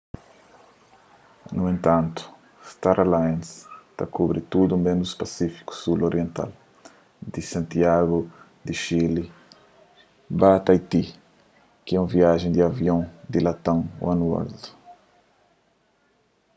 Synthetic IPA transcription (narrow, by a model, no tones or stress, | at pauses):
nuẽnt̪ãnt̪u̥ | st̪aɾalãnst̪akubɾit̪ud̪ũmbẽnd̪uspasifi̥ku̥suloɾiẽnt̪a̰l | d̪isãnt̪iaɣu | d̪iʃili | bat̪ajt̪i | kɪɛũviaʒẽd̪ɪavjõd̪ilat̪ãw̃wanuɔ̰ld̪u̥